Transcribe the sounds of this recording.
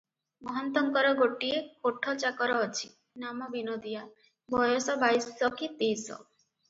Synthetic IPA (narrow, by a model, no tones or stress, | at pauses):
mɔɦɔnt̪ɔŋkɔɾɔɡoʈiekoʈʰɔt͡ʃakɔɾɔːt͡ʃʰi | namɔbinod̪ija | bʱɔjɔsɔbajsɔkit̪ejsɔ̰